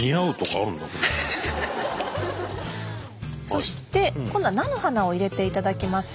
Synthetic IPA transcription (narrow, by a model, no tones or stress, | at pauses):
iaɯ̟t̪o̞kaːɾɯ̟̃nd̪aked̪ | so̞ɕi̥t̪e̞kõ̞nːanano̞hanao̞iɾe̞t̪e̞it̪ad̪akʲimasɨ̥